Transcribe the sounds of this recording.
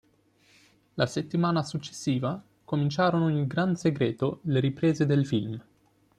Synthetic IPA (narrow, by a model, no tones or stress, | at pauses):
laset̪ːimaːnasut͡ʃːe̥sːiːva | komint͡ʃaːɾonoilɡɾanseɡɾeːt̪oleɾipɾeːzed̪elfilm